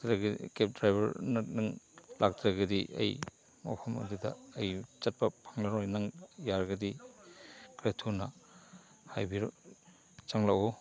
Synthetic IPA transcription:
dɾaɡkep̚dɾajbɐɾnat̚nɯŋlʔak̚dɾaɡɐdiʔɐ̰j | ma̰pʰɐmɐ̰dudɐ̰ːjt͡ʃɐt̚pɐpʰḁŋlaɾɔjnaŋjaɾɡɐdi | kɾetʰuna | hajbiɾ | t͡ʃaŋlaɔ

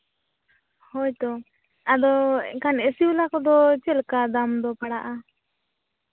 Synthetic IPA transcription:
hɔjt̪ɔ | ad̪ɔkanɛsiulakɔd̪ɔt͡ʃɛlkad̪amd̪ɔpaɽaʔa

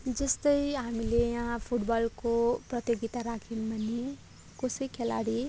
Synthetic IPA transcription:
d͡zʌst̪ʌjɦamilejããpʰuʈbalkoprʌt̪joɡit̪aɾakʰinbʱʌni | kosijkʰela̰ɽi

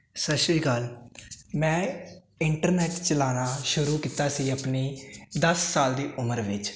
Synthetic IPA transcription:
səʃɾiːɡəl | mɛ̃ː | ɪɳʈəɾnɛːʈt͡ʃəlaːnaːʃʊɾuːkiːt̪aːsiːəpniːd̪əsːaːld̪iːʔʊməɾʋɪt͡ʃ

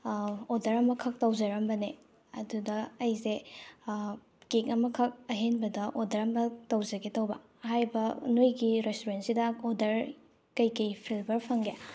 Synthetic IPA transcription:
odɐɾɐmɐkʰɐk̚tɐwd͡ʒɐɾɐmbɐne | ɐdudɐːjse | kekɐmɐkʰɐk̚ɐɦenbɐdɐʔodɐɾɐmɐtɐwzɐɡetɐwbɐ̰ | hajbɐnojɡiɾestoɾentsidɐodɐɾ | kɐjkɐjpʰilbɐɾpʰɐŋɡe

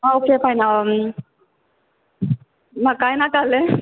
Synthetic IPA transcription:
aokepʰajnam | makajnakale

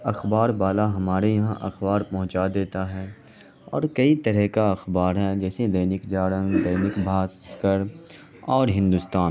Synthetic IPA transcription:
ɐxbaːɾbaːlaɦɐmaːɾejɐɦã̰ʔɐ̰xbaːɾpɐɦʊ̃t͡ʃad̪eːt̪aɦɛː | ɔ̰ːɾkɐit̪ɐɾɛɦkaɐxbaːɾɦɛd͡ʒɛːsed̪ɐɪnɪkd͡ʒaːɽə̃ŋɡd̪ɐːnɪkbʱaːskəɾ | ɔːɾɦɪ̃nd̪ust̪aːn

